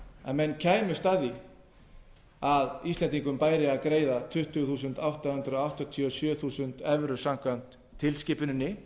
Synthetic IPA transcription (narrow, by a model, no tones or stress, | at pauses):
ɛ̰nmɛnːcʰɛːjmʏst̪aːði | aðist̪lɛnt̪iŋkʏmpaːjɾɪaðkɾeːjðat̪ʰʏht̪ʏθuːsʏnt̪awht̪ahʏnt̪ɾʏɔawht̪ɔt̪ʰiɔsjœːθuːsʏnt̪ɛvɾʏsam̥kvan̥t̪ʰːɪlscɪːpʏnʏnːɪ